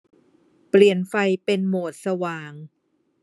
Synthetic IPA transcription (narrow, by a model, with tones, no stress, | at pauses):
pli˨˩ənfa˧jpe˧nmoː˨˩t̪̚sa˧waː˨˩ŋ